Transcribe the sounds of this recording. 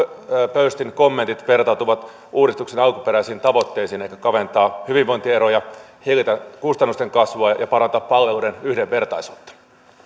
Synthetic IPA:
pøyst̪inko̞mːent̪it̪ʋe̞rt̪ɑut̪uʋɑt̪ | uːdist̪uksenɑlku̥peɾæisiːnt̪ɑʋo̞t̪ːe̞jsiːneikækɑʋent̪ɑːhyʋiʋʋoint̪ieɾoːjɑhilit̪ækust̪ɑnːust̪e̞ŋkɑsʋoɑjɑpɑɾɑnt̪ɑppɑlːeluːdenyhdeʋʋe̞rt̪ɑisuːt̪ːɑ̥

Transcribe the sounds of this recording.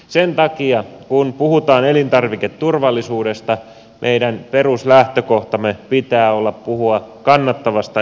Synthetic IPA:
sent̪ɑkiɑkunpuɦut̪ɑːnelint̪ɑrʋiket̪ːurʋɑlːisuːde̞st̪ɑ | mʔeidænpe̞ruslæht̪øko̞ht̪ɑmːepit̪æːolːɑppuhuɑkɑnːɑt̪ːɑʋɑst̪ɑ

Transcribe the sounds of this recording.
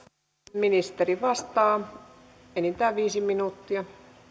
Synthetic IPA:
minist̪eriʋɑst̪ɑː | enit̪æːʋiːsiminut̪ːiɑ

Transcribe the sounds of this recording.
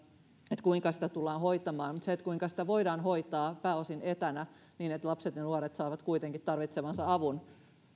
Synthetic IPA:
et̪kuiŋkɑsi̥t̪æt̪ulːɑːnhoit̪ɑmɑːnmut̪seet̪kuiŋkɑsi̥t̪æʋoidɑːnɦoit̪ɑːpæːosinet̪ænæ | niːnet̪lɑpset̪jɑnuoɾet̪sɑːʋɑt̪kuit̪eŋkit̪t̪ɑrʋit̪seʋɑnsɑɑʋun

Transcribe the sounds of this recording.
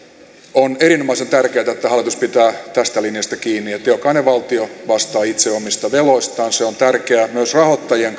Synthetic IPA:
oneɾinomɑisent̪ærkeːt̪æet̪ːæhɑlːˑit̪uspit̪æːt̪æst̪ælinjɑst̪ækiːnːiet̪ːˑeokɑˑneʋɑlt̪ioʋɑst̪ɑːit̪seomist̪ɑʋeloist̪ɑːnseont̪ærkeæmyøsrɑhot̪ːɑjieŋ

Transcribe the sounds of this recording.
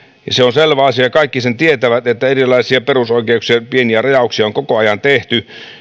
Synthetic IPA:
jɑseonselʋæɑsiɑjɑkɑikːisent̪iet̪æʋæt̪et̪ːæerilːˑɑisiɑperusoikeuksiɑpieniærɑjɑuksiɑoŋkokoɑjɑnt̪eht̪y

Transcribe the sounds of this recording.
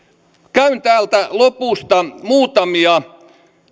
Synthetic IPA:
kæynt̪æːlt̪ælopuˑst̪ɑmuːt̪ɑmiɑ

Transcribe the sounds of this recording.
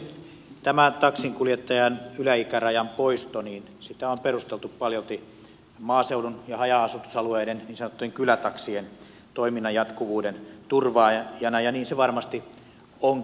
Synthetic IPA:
t̪æmæt̪ɑksiŋkuljet̪ːɑjɑnylæikærɑjɑmpoist̪oniːn | sit̪æomperust̪elt̪uppɑljolt̪i | mɑːseulunjɑhɑjɑɑsut̪usɑlueidenniːnsɑnot̪ːˑeŋkylæt̪ɑksien | t̪oiminːɑjɑt̪kuʋuːdent̪urʋɑːjɑnɑjɑniːnseʋɑrmɑst̪i | oŋ

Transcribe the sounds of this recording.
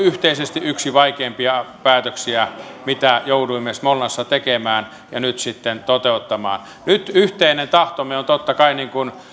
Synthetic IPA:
yht̪eisest̪iʔʔyksiʋɑikeːmpiɑpæːt̪øksiæmit̪æjouduimːesmolːɑsːɑt̪ekemæːn | jɑnyt̪sit̪ːent̪ot̪eut̪ːɑmɑ̰ːn | nyt̪yht̪einent̪ɑht̪omeont̪ot̪ːɑkɑiniːŋkun

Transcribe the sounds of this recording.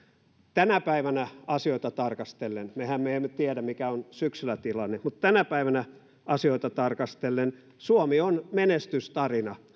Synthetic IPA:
t̪ænæpæiʋænæɑsioit̪ɑt̪ɑrkɑst̪elːenmehæmmeemːet̪iædæmikæonsyksylæt̪ilɑnːemut̪t̪ænæpæiʋænæ | ʔɑsioit̪ɑt̪ɑrkɑst̪elːen | suomionmenest̪yst̪ɑrinɑ

